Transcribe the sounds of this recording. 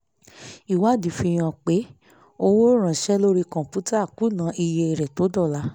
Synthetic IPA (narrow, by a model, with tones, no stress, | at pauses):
i˨wa˨˦˨di˨˦fi˧j̃ã˧˨k͡pe˨˦ | o˦wo˦ɾ̃ã˨ʃɛ˦lo˦ɾi˧kɔ̃˨pu˨˦ta˦a˦˨ku˨˦nã˨˦ʔi˧je˧e˧˨ɾɛ˨to˨˦dɔ˦˨la˨˦